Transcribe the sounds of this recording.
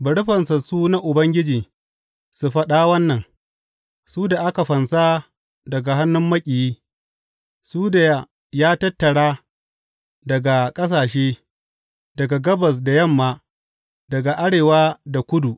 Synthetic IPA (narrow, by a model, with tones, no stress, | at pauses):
bɐ˨ɽʊ˦ɸɐ˨nsɐ˨suː˦na˦ʔʊ˨bɐ˦ŋɡʲɪ˦d͡ʒiː˨ | su˨ɸɐ˦ɗa˦wɐ˦nːɐ˨ŋ | suː˦da˨ʔa˦ka˨ɸɐ˨nsaː˦ | dɐ˨ɡa˨ɦa˦nːʊ˦mːɐ˦kʲʼi˨jiː˦ | suː˦da˨ja˦ | jaː˦tɐ˦tːɐ˨ɽaː˦ | dɐ˨ɡa˨kʼɐ˦s̬aː˨ʃeː˦ | dɐ˨ɡa˨ɡɐ˦bɐ˨s̬da˨jɐ˦˨mːaː˨ | dɐ˨ɡa˨ʔa˦ɽeː˨waː˦da˨kʷʊ˦du˨ʔ